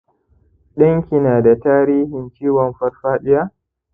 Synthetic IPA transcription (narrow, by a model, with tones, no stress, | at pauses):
ɗɐ˦ŋkʲi˨naː˨da˨taː˦ɾiː˦hɪ˨nt͡ʃiː˦wɔ˨mɸɐ˦rɸaː˦ɗɪ˦jaː˦